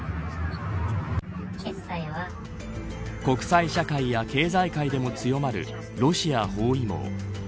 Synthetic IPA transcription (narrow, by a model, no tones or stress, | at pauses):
e | aiβa | ko̞kɯ̟̥saiɕakaijake̞ːzaikaid̪e̞mo̞t͡sɨjo̞maɾɯ̟̰ | ɾo̞ɕiaho̞ːimo̰ː